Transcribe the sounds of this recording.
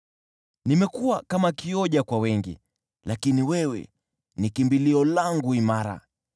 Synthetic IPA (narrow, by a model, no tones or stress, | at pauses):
nimɛkuwakamakiɔʄakwawɛŋɡḭ | lakiniwɛwɛ̰ | nikimbiliɔlaŋɡuimaɾa̰